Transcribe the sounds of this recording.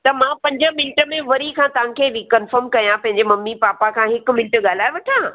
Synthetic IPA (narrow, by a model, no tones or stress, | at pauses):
t̪ɐmãːpɐ̃ɲd͡ʑə̆mɪnʈə̆mẽʋɐɾikʰãt̪ɐʋ̤ãkʰeɾikɐnfəɾmkɐjãpɐ̃ɦɪ̃ɲd͡ʑemɐmːipaːpakʰãːɦɪk̆mɪnʈɠaːl̤aːɪʋɐʈʰãː